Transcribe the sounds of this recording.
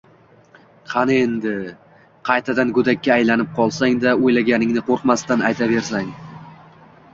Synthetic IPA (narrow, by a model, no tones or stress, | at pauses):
qʰɑnɪend̪ɪ | qʰɑjt̪ʰad̪anɡʊd̪akʲːaːjlanɪp̚qʰɒlˠsaŋd̪aojlaɡʲanɪŋnɪqʰoɾqmast̪anajt̪ʰave̞ɾs̬aŋ